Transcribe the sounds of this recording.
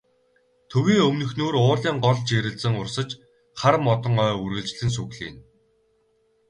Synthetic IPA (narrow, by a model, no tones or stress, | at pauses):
t̪ʰɵɣiːŋɵmnɵ̆xnoːrʊːrɮiːŋɢɔɮt͡ɕeːɾɘ̆ɮsɘ̆ŋʊrsə̆t͡ɕ | χaɾmːɔt̪ɞ̆ŋœːurɣɘ̆ɮt͡ɕɮɘ̆ns̬uɣɮḭːn